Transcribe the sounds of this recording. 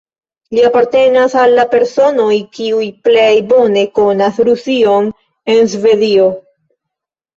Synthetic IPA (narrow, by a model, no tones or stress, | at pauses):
liapaɾte̞nasalːape̞ɾso̞no̞jkiujplejbo̞ne̞ko̞nasɾusio̞n | e̞nzve̞dio̞